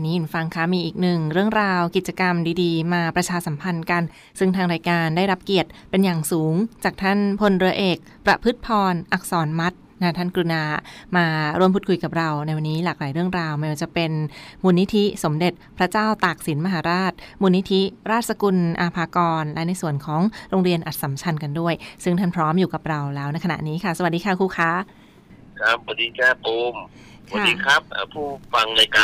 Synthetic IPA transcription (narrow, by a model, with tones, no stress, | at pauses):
nːiː˦ju˨˩nfa˧ŋkʰaː˦˥miː˧ʔiː˨˩k̚nɯ˨˩ŋɾɯ˥˩əŋɾaː˧wki˨˩t̪̚t͡ɕa˧ka˧mdiː˧diː˧maː˧pɾa˧t͡ɕʰaː˧sa˩˦mpʰa˧nka˧n | sɯ˥˩ŋt̪ʰaː˧ŋɾaː˧jkaː˧ndaː˥˩jɾa˦˥p̚ki˨˩ət̪̚pe˧njaː˨˩ŋsuː˩˦ŋt͡ɕaː˨˩k̚t̪ʰa˥˩npʰo˧nɾɯ˧ɐʔeː˨˩k̚pɾa˧pʰɯ˦˥t̪̚pʰɔː˧nʔa˨˩k̚sɔː˩˦nma˦˥t̪̚na˧˦˥t̪ʰaː˥˩nkɾu˧naː˧maː˧ɾu˥˩mpʰu˨˩t̪kʰu˧jka˨˩p̚ɾa˧wna˧jwa˧nːiː˦˥laː˨˩k̚laː˩˦jɾɯ˥˩əŋɾaː˧wma˥jwaː˧˩t͡ɕa˨˩pe˧nmuː˧nːi˦˥t̪ʰi˦˥so˩˦mde˨˩t̪̚pʰɾa˦˥t͡ɕaː˥˩wt̪aː˨˩k̚si˩˦nma˧ɦaː˩˦ɾaː˥˩t̪̚muː˧nːi˦˥t̪ʰi˦˥ɾaː˥˩t̪̚sa˧ku˧nʔaː˧pʰaː˧kɔː˧nlɛ˦˥na˧jsu˨˩ənkʰɔː˩˦ŋɾoː˧ŋɾi˧ənʔa˨˩t̪̚sa˩˦mt͡ɕʰa˧nka˧ndu˥˩əjsɯ˥˩ŋt̪ʰaː˥˩npʰɾɔː˦˥mjuː˨˩ka˨˩p̚ɾa˧wlɛː˦˥wna˧˥jkʰa˧na̰˨˩ʔniː˦˥kʰa˥˩sa˩wa˨t̚diː˧kʰa˧˥˩kʰuː˧xʰaː˦˥ | kʰɾa˦˥p̚wa˧diː˧t͡ɕaː˥˩poː˧m | sa˧diː˧kʰa˦˥p̚ʔːpʰuː˥˩fa˧ŋlaː˧jkaː˧